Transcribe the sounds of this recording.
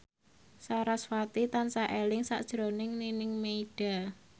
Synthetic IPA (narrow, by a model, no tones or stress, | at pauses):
saɾaswat̪it̪ansaʔelɪŋsa̰ʔd̥ʒ̥ɾonɪŋninɪŋmeiɖ̥a̤